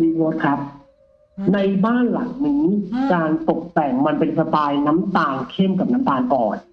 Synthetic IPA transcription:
liː˧wo˦˥t̪̚kʰa˦˥p̚ | na˧jbaː˥˩nla̰˩˦ŋniː˦˥kaː˧nt̪o˨˩k̚t̪ɛ˨˩ŋma˧npe˧npʰa˧paː˧jna˦˥mt̪aː˧ŋkʰe˥˩mka˨˩p̚na˦˥mt̪aː˧ŋʔɔː˨˩n̚

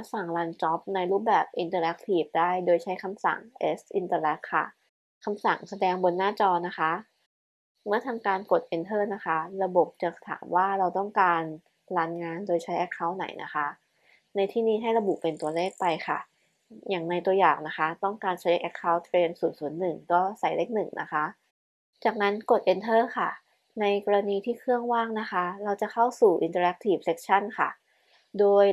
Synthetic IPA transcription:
a˦˥sa˨˩ŋɾa˧nt͡ɕɔ˦˥p̚na˧jɾuː˥˩p̚bɛː˨˩p̚ʔi˧nt̪ɤː˧lɛ˦˥k̚t̪ʰiː˨˩p̚daː˥˩jdoː˧jt͡ɕʰa˦˥jkʰa˧msa̰˨˩ŋʔe˦˥sʔi˧nt̪ɤː˧lɛ˦˥k̚ʰːa̰˥˩ | kʰa˧msa˨˩ŋsa˧dɛː˧ŋbo˧nːaː˥˩t͡ɕɔː˧na˦˥xʰa˦˥ | mɯ˥˩ɐt̪ʰa˧mkaː˧nko˨˩t̪̚ʔe˧nt̪ʰɤː˥˩na˦˥xʰa˦˥ɾa˧bo˨˩p̚t͡ɕa˨˩k̚sḁ˧t̪ʰa̰ː˩˦mwaː˥˩ɾa˧wt̪ɔ˥˩ŋkaː˧n | ɾaː˧nŋaː˧ndoː˧jt͡ɕʰa˦˥jʔɛ˦˥kʰːa˥˩wna̰˩˦jnʔa̰˦˥xʰa˦˥ | na˧jt̪ʰiː˥˩niː˥˩ɦa˥˩jɾa˧bu˨˩pe˧nt̪u˧ɐleː˥˩k̚pa˧jxʰa̰˥˩ | jaː˨˩ŋna˧jt̪u˧ɐjaː˨˩ŋna˦˥kʰa˦˥t̪ɔ˥˩ŋkaː˧nt͡ɕʰa˦˥jkʔɛ˦˥kʰːa˦˥wt̪ʰːɾeː˧nsuː˩˦nsu˩˦ənːɯ˨˩ŋkɔː˥˩sa˨˩jleː˥˩k̚nɯ˨˩ŋnʔa̰˦˥kʰa˦˥ʔ | t͡ɕaː˨˩k̚na˦˥nko˨˩t̪̚ʔe˧nt̪ʰɤː˥˩kʰa˥˩ | na˧jkɔː˧ɾa˧niː˧t̪ʰiː˥˩kʰɯ˥˩əŋwaː˥˩ŋna˦˥xʰa˦˥ɾa˧wt͡ɕa˨˩kʰa˥˩wsuː˨˩ʔḭ˧nt̪̬aː˧ɾɛ˦k̚t̪ʰi˨˩p̚se˦˥k̚t͡ɕʰa˥˩nkʰa̰˥˩ | doː˧j

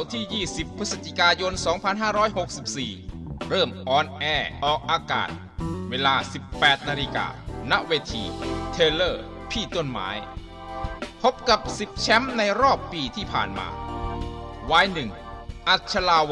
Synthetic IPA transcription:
wt̪ʰiː˥˩jiː˥˩si˨˩pʰɾɯ˦˥sa˨˧˩t͡ɕʰi˧˩kaː˧jo˧nsɔː˩˦ŋpʰa˧nɦaː˥˩ɾɔː˦˥jho˨˩k̚si˨˩p̚siː˨˩ɾɤː˥˩mʔɔː˧nʔɛː˧ʔɔː˨˩k̚ʔaː˧ka̰ː˨˩t̪̚ | weː˧laː˧si˨˩pːɛː˨˩t̪̚naː˧li˧ka̰ː˧˩na˦˥ʔweː˧t̪ʰḭː˧˩t̪ʰeː˧lɤː˥˩ | pʰiː˥˩t̪o˥˩nma̰ː˩˦j | pʰo˦˥p̚ka˨˩p̚si˨˩p̚t͡ɕʰɛ˦˥mna˧jɾɔː˥˩pːiː˧t̪ʰiː˥˩pʰa̰ː˨˩nma̰ː˧ | waː˧jnɯ˨˩ŋ | ʔa˨˩t̪̚t͡ɕʰa˧laː˧˩

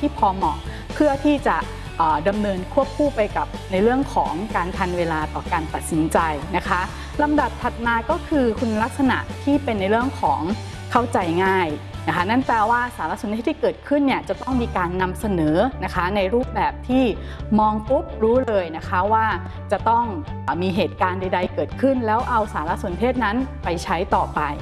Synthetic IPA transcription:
t̪ʰiː˥˩pʰɔː˧mɔː˨˩ | pʰɯ˥˩ɐt̪ʰiː˥˩t͡ɕa˨˩ | ʔɤː˨˩da˧mnɤː˧nkʰu˥˩əp̚kʰuː˥˩pa˧jka˨˩p̚na˧jɾɯ˥˩əŋkʰɔː˩˦ŋkaː˧nt̪ʰa˧nweː˧laː˧t̪ɔː˨˩kaː˧nt̪a˨˩t̪̚si˩˦nt͡ɕa˧jna˦˥kʰa˦˥ | la˧mda˨˩p̚t̪ʰa˨˩t̪̚maː˧kɔː˥˩kʰɯː˧kʰu˧n˧la˦˥k̚sa˧na̰˨˩ʔt̪ʰiː˥˩pe˧nːa˧jɾɯ˥˩əŋkʰɔː˩˦ŋ | kʰa˥˩wt͡ɕa˧jŋaː˥˩jna˦˥kʰa˦˥na˥˩npɛː˧waː˥˩saː˩˦la˧˥su˩˦nʰeː˥˩iː˥kɤː˨˩t̪̚kʰɯ˥˩nːi˥˩ət͡ɕa˨˩t̪ɔ˥˩ŋmiː˧kaː˧nːa˧msa˧nɤː˩˦na˦˥kʰa˦˥na˧jɾuː˥˩p̚bɛː˨˩p̚t̪ʰiː˥˩ | mɔː˧ŋku˦˥p̚ɾuː˦˥lɤː˧jna˦˥kʰa˦˥waː˥˩ | t͡ɕa˨˩t̪ɔ˥˩ŋ˩ | miː˧ɦeː˨˩t̪̚kaː˧nda˧jda˧jkɤː˨˩t̪̚kʰɯ˥˩nlɛː˦˥wʔa˧wsaː˩˦la˧˥su˩˦nt̪ʰeː˥˩t̪̚na˦˥npa˧jt͡ɕʰa˦˥jt̪ɔː˨˩pa˧j

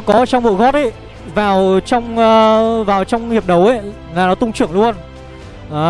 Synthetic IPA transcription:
kɔ˨˦˨t͡ɕɔ˧ŋ͡mvṵ˧˨ɣɔ˦˥t̚ʔə˨˦ | vaː˨˩wt͡ɕɔ˧wŋ͡mːvaː˨˩wt͡ɕɔ˧wŋ͡mhi˨˩əp̚ɗə˨˦wə˦ | laː˨˩nɔ˨˦t̪ʊ˧ŋ͡mt͡ɕɨ˧˩əŋlu˧ən | ʔaː˨˦

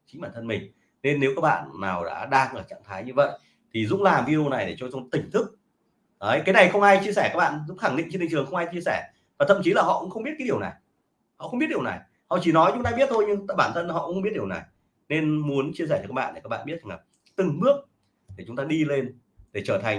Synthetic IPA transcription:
t͡ɕi̟˨˦ɓaː˧˩nt̪ʰə˧nmï˨˩ŋ̟ | ne˧nːe˨˦wka˦˥k̚ɓa̰ː˧˨nːa̰ː˨˩wɗa̰ː˧˥ɗaː˧ŋʔəː˨˩t͡ɕa̰˧˨ŋt̪ʰaː˨˦jɲɨ˧və̰˧˨j | t̪ʰi˨˩zʊ̰˧˥ŋ͡mlaː˨˩mvi˧o˧na˨˩jɗe˧˩t͡ɕɔ˧t͡ɕ̪a˧t̪ï˨˩ŋ̟t̪ʰɨ˦˥k̚ | ʔəː˨˦jkaː˨˦jna˨˩jxə˧wŋ͡mʔaː˧jt͡ɕi˧əsɛː˧˩kaː˦˥k̚ɓa̰ː˧˨nzʊ̰˧˥ŋ͡mxa˧˩ŋɗḭ̟̈˧˨t͡ɕnï˨˩ŋt͡ɕɨ˨˩əŋxə˧wŋ͡mʔaː˧jt͡ɕi˧əsɛː˧˩ | vaː˨˩t̪ʰə̰˧˨mt͡ɕi˨˦laː˨˩ɦɔ̰˧˨kʊ̰˧˥ŋ͡mxə˧wŋ͡mɓi˦˥t̚aː˨˦i˨˩əwna̰˨˩j | hɔ̰˧˨xwŋ͡mɓi˦˥t̚ɗi˨˩əwna̰˨˩j | hɔ̰˧˨t͡ɕi˧˩nɔ˨˦jt͡ɕʊ˨˦ŋ͡mt̪aː˧ɓi˦˥t̚t̪ʰo˧jɲɨ˧ŋː˧˨ɓaː˧˩nt̪ʰə˧nhɔ̰˧˨kxŋ͡mɓi˦˥t̚ɗi˨˩əwna̰˨˩j | ne˧nmu˨˦ənt͡ɕi˧s̬ɛː˧˩t͡ɕɔ˧˩kːaː˦˥ɓa̰ː˧˨nɗe˨˩kːa˦˥k̚ɓ̰ːɓi˦˥t̪̚ʰːŋa˨˩p̚ | t̪ɨ˨˩ŋɓɨ˦˥ək̚ | ɗe˧˩t͡ɕʊ˨˦ŋ͡mt̪aː˧ɗi˧le˧n | ɗe˧˩t͡ɕəː˧˩t̪ʰa˨˩ŋ

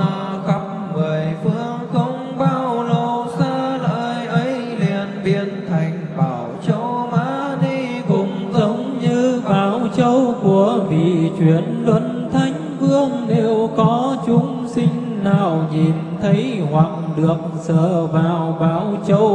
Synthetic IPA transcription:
ɣə˧˦p̚ | ŋɨ˨˩əjfɨ˧əŋxə˧wŋ͡mɓaː˧wwlo˨˩saː˧ləː˨˩jʔə˨˦j | li˨˩ənɓi˧˩ənt̪ʰa˨˩jŋ̟ɓaː˨˩wt͡ɕə˧˦wmaː˨˦ni˧ | kʊ̰˧˩˨ŋ͡mzə˨˦wŋ͡mɲɨ˧ɓaː˨˧˩wt͡ɕə˧wku˧˩əvḭ˧˨t͡ɕwi˧˩ənlwə˨˦n | t̪ʰa˨˦jŋ̟fɨ˧əŋɗe˨˩wkɔ˨˦t͡ɕʊ˨˦ŋ͡m | sï˧ŋ̟naː˨˩wɲi˨˩n | t̪ʰə˨˦jhwa˨˩k̚ɗɨ˨˩ək̚səː˧˨vaː˨˩wɓaː˧˩wt͡ɕə˧w

